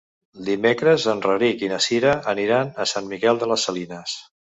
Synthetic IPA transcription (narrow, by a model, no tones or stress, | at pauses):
d̪imekɾəzənrəɾikinəsiɾəəniɾanəsanmikɛlˠd̪ələsːəlinəs